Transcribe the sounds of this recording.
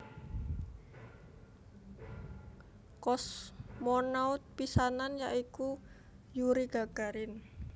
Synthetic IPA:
kɔsmɔnaʊt̪̚pisananjaʔiku | juɾiɡ̥a̤ɡ̥a̤ɾɪn

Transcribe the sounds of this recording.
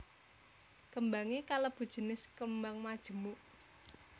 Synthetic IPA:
kəmbaŋekaləb̥ṳd̥ʒ̥ə̤nɪskəmbaŋmad̥ʒ̥ə̤muʔ

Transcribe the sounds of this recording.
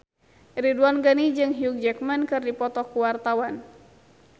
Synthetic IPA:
ɾiduanɡanid͡ʒɨŋɦiuk̚d͡ʒɛkmankɨrdipɔt̪ɔkuwart̪awan

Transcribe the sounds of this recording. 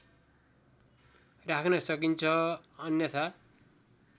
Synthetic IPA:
rakʰnʌsʌkint͡sʰʌʌnjʌt̪ʰa

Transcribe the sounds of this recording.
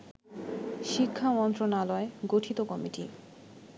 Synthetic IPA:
ʃikʰːamɔnt̪ɾonalɔeɡoʈʰit̪okɔmiʈḭ

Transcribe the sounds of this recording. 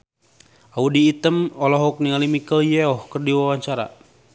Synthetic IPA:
audiːt̪əmɔlɔɦɔk̚nialimikəljɛɔhkərdiwawaɲt͡ʃaɾa̰

